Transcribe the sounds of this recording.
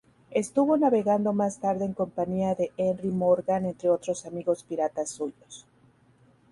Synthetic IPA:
e̞st̪uβo̞naβe̞ɣand̪o̞mast̪aɾðe̞ːŋko̞mpaɲiaðe̞enrimo̞ɾɣane̞nt̪ɾe̞o̞t̪ɾo̞samiɣo̞spiɾat̪asːuʝo̞s

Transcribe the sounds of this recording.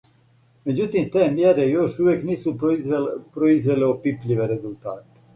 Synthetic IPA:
me̞d͡ʑut̪imt̪eːmjeɾejoʃuʋjeːkniːsu | pɾoizʋeleopipʎiʋeɾe̞zult̪aːt̪e̥

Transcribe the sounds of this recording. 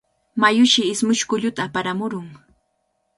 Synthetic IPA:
majʊʃɪɪsmʊʃkʊʎʊt̪aːpaɾamʊɾʊŋ

